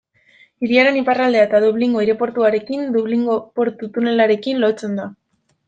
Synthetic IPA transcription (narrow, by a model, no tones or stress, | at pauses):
iɾiaɾe̞niparald̪e̞aet̪aðuβliŋɡo̞iɾe̞po̞ɾt̪uaɾe̞kind̪uβliŋɡopo̞ɾt̪ut̪une̞laɾe̞kinlo̞t͡se̞nd̪a